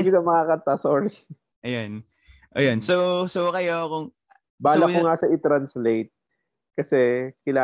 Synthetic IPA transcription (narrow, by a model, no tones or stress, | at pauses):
ɡɪsɐmɐkaːkɐnt̪asoːɾɪ | ʔɐjon | ʔɐjonsosokɐjokʊŋ | baːlɐkoŋaʃɐʔɪt̪ɾɐnslejt̪̚ | kɐsɛkɪlaː